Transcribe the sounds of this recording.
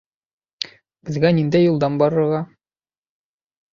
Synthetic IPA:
b̥ɘ̆zɡænind̪æjːulˠd̪ɑnbɒɾɤ̆ɾʁɑ

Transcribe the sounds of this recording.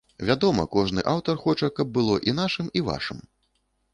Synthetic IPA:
vʲad̪ɔmɐ̰kɔʐnɨ̰ʔawt̪ɐrxɔt͡ʂɐkɐb̚ːɨlˠɔʔinaʂɨmiva̰ʂɨ̰m

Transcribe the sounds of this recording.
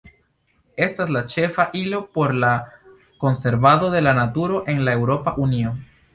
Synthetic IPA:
e̞staslat͡ʃe̞faʔilo̞po̞ɾla | ko̞nse̞ɾbado̞d̪e̞lanatuɾo̞ʔe̞nlae̞wɾo̞paʔunio̞

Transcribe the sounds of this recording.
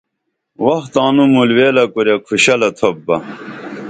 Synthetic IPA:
wɐht̪aːnumulweːlɐkoɾjɐkʰuɕɐlɐt̪ʰobːɐ

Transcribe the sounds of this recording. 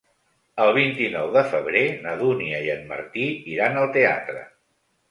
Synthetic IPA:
əlˠβ̞int̪inɔwðəfəβɾenəðuniəiənmə̰ɾt̪iiɾanəlˠt̪ea̰t̪ɾə̰

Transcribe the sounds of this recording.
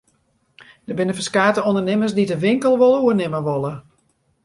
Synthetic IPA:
d̥əbɪnəfəskaːtəondərnɪməsdidəʋɪŋkəlˠʋolˠəuənɪməʋolˠə

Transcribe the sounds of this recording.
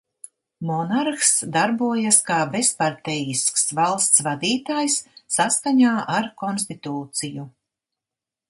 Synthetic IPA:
mɔnaɾxsd̪aɾbuɔjaskaːbespaɾt̪ɛjisksvalˠst̪svad̪iːt̪aːjsːaskaɲaːʔaɾkɔnst̪it̪uːt̪siju

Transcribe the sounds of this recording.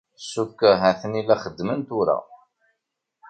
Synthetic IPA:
sːukːæɦæθənilæχəd̪ːmənt̪ʊɾa̰

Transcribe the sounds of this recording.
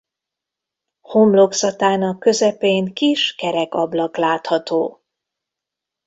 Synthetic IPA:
homlo̞ksɒt̪aːnɒkːø̞zɛpeːŋkiʃkɛɾɛkɒblɒklaːt̪hɒt̪oː

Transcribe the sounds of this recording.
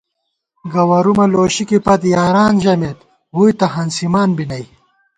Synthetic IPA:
ɡɐwɐɾumɐloːɕikipɐt̪jaːɾaːnʑɐmet̪ | wujt̪ɐɦɐnsimaːnbinɐj

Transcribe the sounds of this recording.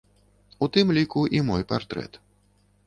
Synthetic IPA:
ut̪ɨmlʲikuʔimɔjpart̪ɾɛ̰t̪

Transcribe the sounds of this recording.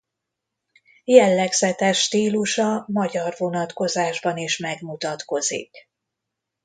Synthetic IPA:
jɛlːɛɡz̥ɛt̪ɛʃːt̪iːluʃɒmɒɟɒrvo̞nɒt̪ko̞zaːʒbɒniʃmɛɡmut̪ɒt̪ko̞zḭk

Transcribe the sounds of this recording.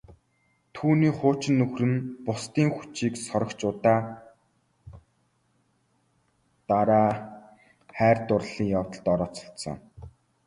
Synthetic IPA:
t̪ʰuːniːχʊːt͡ɕɪ̆nːɵxrɘ̆npʊst̪iːŋxu̥t͡ɕiːksɔɾɞ̆kt͡ɕʊːt̪aː | t̪aɾaː | χæːrt̪ʊrɮiːŋjawt̪ə̆ɮt̪ɔɾɔːt͡sɞ̥̆ɬt̪sɞ̰̆ŋ

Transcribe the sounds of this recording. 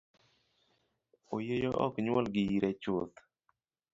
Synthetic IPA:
ojejɔʔɔkɲwɔlɡɪiɾɛt͡ʃʊt̪

